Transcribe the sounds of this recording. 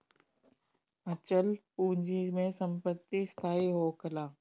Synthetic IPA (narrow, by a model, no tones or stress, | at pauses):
ɐt͡ʃəlpũːɲd͡ʒimẽsə̃mpət̪ːist̪ʰaːiɦoːkəlaː